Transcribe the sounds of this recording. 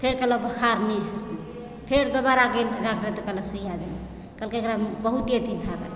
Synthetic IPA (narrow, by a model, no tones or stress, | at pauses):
pʰeɾkələbʱəkʰaɾmeɾ | pʰeɾd̪obaɾaɡelɾakʰɾet̪əkələsujad̪ene | kəlkeekɾabəɦut̪iət̪ibʱaɡḛ